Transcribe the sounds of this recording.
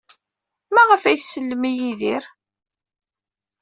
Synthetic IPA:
mæʁəfæjθsəlːəmijiðiɾ

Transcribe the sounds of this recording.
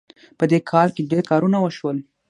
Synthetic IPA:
pəd̪ekʰɑlkeɖeɾkɑɾunawəʃwəl

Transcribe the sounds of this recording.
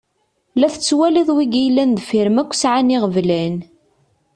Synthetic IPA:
læθə̥t͡sːwæliðˤwiɡijlːænd̪fiɾəmækʷːsʕaniʁəvlæn

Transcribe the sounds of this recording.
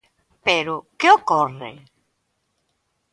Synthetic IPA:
pɛɾʊkeokːɔrːḛ

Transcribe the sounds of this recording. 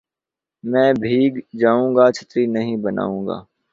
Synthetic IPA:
mɛ̃ːbʱiːɡd͡ʒaːũːɡat͡ʃʰət̪ɾinəɦĩbəna̰ːũːŋɡa̰ː

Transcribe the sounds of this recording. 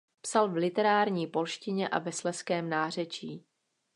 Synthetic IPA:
psalvlɪt̪ɛɾaːɾɲiːpo̞lʃcɪɲɛʔa̰vɛslɛskɛːmnaːr̝ɛt͡ʃiː

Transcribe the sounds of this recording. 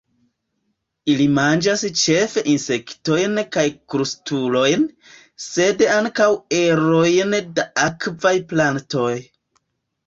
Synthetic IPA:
ilimand͡ʒast͡ʃe̞fe̞ʔinse̞kto̞jnkajkɾustulo̞jn | se̞daŋkawe̞ɾo̞jndaakvajplanto̞j

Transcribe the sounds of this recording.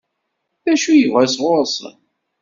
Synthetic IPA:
θæʃujəvæsʁʊɾˤsˤə̰n

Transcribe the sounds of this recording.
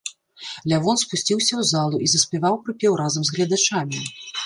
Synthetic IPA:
lʲavɔnspusʲt͡sʲiwsʲɐwzalˠuʔizɐsʲpʲɛvawpɾɨpʲɛwɾazɐmzɣlʲɐd̪at͡ʂamʲi

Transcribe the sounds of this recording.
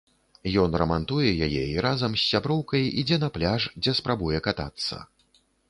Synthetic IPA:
jɔnrɐmant̪ujɛjajɛiɾazɐmsʲːabɾɔwkɐjḭd͡zʲɛnɐplʲaʂd͡zʲɛspɾabujɛkat̪a̰t̪sːɐ̰

